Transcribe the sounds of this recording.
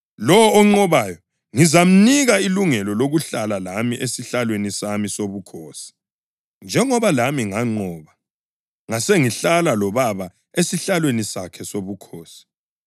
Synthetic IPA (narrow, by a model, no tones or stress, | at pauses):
lɔwːŋ͡ǃɔβajɔ | ŋizam̩niɣailuŋɛlɔloɣuɬalalamiʔesiɬalwenisamisoβukʰɔːsi̥ | nd͡ʒʱɛŋɔβalamiŋaŋ͡ǃɔːβa | ŋaseŋiɬalalɔβaβa | esiɬalwenisakʰɛsoβukʰoːsi̥